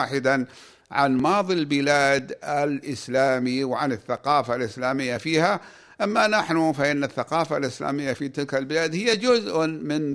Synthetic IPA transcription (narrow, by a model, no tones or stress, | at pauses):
ħɪd̪an | ʕa̰nmɑːðˤilbɪlaːd̪alʔɪslaːmiwʕanɪθːaqɑːfalʔɪslaːmɪjːafiːha | ʔamːanaħnufaʔɪnːaθːaqɑːfalʔɪsla̰ːmɪjːafit̪ɪlkalbɪlaːd̪hɪjːad͡ʒʊzʔmɪn